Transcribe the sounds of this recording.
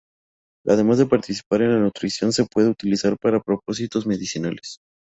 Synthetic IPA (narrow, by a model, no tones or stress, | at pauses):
a̰ð̞e̞mazðe̞paɾt̪isi̥paɾenlanut̪ɾisjo̞nse̞pwe̞ð̞eut̪ilisaɾpaɾapɾo̞p̚o̞sit̪o̞zme̞ðisinales